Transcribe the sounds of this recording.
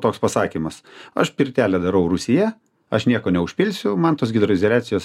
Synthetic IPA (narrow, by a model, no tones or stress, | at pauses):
t̪oːkspɐsɑːkʲimɐsɐ̰ʃpʲɪɾʲt̪ʲæːlʲɛd̪ɐɾɐʊɾʊsʲɪjɛ | ɐʃnʲiɛkoːnʲɛʊʃʲpʲɪlʲsʲʊmɐnt̪oːsɡʲɪd̪ɾoɪzʲɛlʲæːt̪sʲɪjoːs